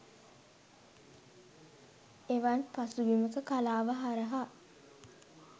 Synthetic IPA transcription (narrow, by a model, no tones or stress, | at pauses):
eʋanpasuɡiməkəkalaːʋəɦaɾəɦa